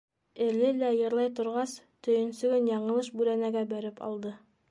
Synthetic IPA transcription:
ɘ̆lɘlæjɤ̆ɾlˠɑjt̪ŏɾʁɑs | t̪ɵ̆jɘ̆nsɵ̆ɡɘnjɑɴɤ̆lˠɤʃbʉɾænæɡæbæɾɘpʰɒ̰lˠd̪ɤ

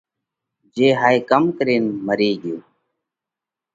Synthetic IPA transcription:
d͡ʒeːɦaːeːkəmkəɾeːnməɾeːɠɪjoː

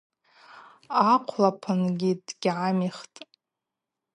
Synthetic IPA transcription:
aqʷʰlapʰanɡʲidɡ̥ʲʕamiχtʼ

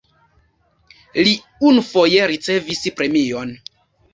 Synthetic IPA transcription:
li | unufo̞jeɾit͡se̞vispɾe̞mio̞n

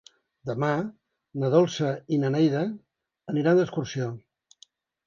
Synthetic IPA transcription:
d̪əma | nəðɔlˠsəinənɛjðəː | niɾand̪əskursio

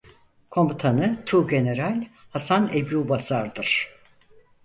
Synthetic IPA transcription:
kʰo̞mbut̪ʰanɯt̪ʰuːɟe̞ne̞ɾalʲhasanebuːbasaɾd̪ɯɾ̥

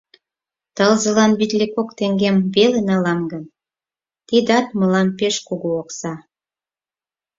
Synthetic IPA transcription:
t̪əlzə̆lɑnβit̪ʲlekokt̪eŋɡemβelenɑlɑmɡən | t̪id̪ɑt̪̚məlɑnpeʃkuɣuoksɑ

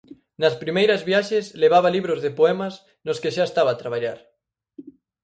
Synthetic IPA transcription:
nɐspɾimejɾɐzβjaʃesleβ̞aβaliβɾozðepoɛmɐs | noskeʃaest̪aβaːt̪ɾaβ̞aʎaɾ

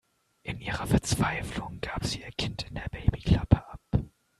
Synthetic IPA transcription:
ʔɪnʔiːʁɐfɛɐt͡sv̥aɪflʊŋɡ̥aːpz̥iːiːɐkʰɪntɪndeːɐbeɪbikʰl̥apʰəʔap

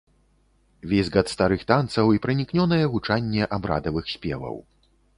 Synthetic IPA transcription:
vʲezʲɣat̪st̪aɾɨxt̪ant̪sɐwipɾɐnʲiknʲɔnɐjɛɣut͡ʂanʲːɛʔabɾa̰d̪ɐvɨxsʲpʲɛ̰vɐ̰w

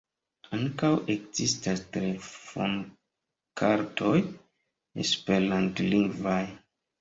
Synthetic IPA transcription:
aŋkawekzistastɾefo̰n | kʰaɾtʰo̞j | ḛspelantliŋɡvaj

